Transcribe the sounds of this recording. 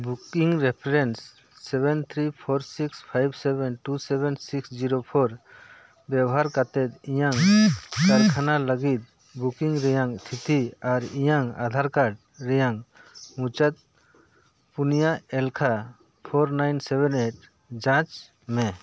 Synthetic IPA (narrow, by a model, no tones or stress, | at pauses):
bukiŋɾɛpʰɾɛnsː | ɛbɛnt̪ʰɾipʰɔɾsikspʰajbsɛbɛnʈusɛbɛnsiksd͡ʒiɾopʰɔɾ | bjɛbɔɦaɾkat̪ɛt̪ijaŋkaɾkʰanaləɡit̪̚ | bukiŋɾɛjaŋt̪ʰit̪iaɾijaŋa̰d̪ʱaɾkaɖ | ɾɛjaŋmũt͡ʃat̪̚ | punijaɛlkʰa | pʰɔɾnajnsɛbɛneʈ̚ | d͡ʒãt͡ʃ | mɛ